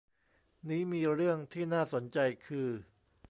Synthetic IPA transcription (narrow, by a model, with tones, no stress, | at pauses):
niː˦˥miː˧ɾɯ˥˩əŋt̪ʰiː˥˩naː˥˩so˩˦nt͡ɕa˧jkʰɯː˧